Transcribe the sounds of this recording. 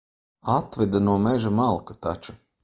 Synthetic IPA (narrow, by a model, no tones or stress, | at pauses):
at̪vɛd̪anuɔmɛʒamalˠkat̪at͡ʃu